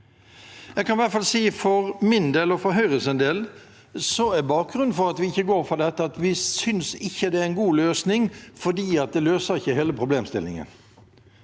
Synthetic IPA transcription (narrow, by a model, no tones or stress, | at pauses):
jɛɡkʰɑnʋætfɑlsiːfɔɾmɪnd̪eːlɔfɔɾɦœʏɾəlsɛnd̪eːl | sɔæbɑːk̚ɡɾʉnfɔɾɑt̪ʋɪɪçːəɡoːɾfɔd̪ɛt̪ːəɑt̪ʋɪsʏnsɪçːəd̪ɛæɾnɡuːløːsnɪŋfɔd̪iːɑt̪̚d̪ɛløːsəɾɪçːəheːləpʰɾʊbleːmst̪ɪlɪ̰ŋə̰n